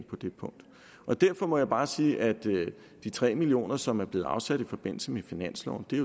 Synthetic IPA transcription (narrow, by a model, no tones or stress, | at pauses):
ŋpʰɒ̽d̥e̝pʰɔ̽ŋ̰d̥ | ʔɒ̽d̥æɐfɒ̽mɒ̽jäɪb̥ɑ̈ːsiːʔæd̥ | d̥it͡sʰʁɛ̰ːmilio̝̰ːnɐsɒ̽mæɐ̥le̝ːð̩ˠɑ̈ʊsæd̥ifɒ̽b̥e̝n̰l̩səmefinæn̰slɒʊ̰nd̥e̝